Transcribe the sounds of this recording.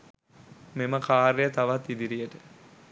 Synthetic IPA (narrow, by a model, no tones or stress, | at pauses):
meməkʰaːɾejət̪aʋat̪ːid̪iɾijəʈə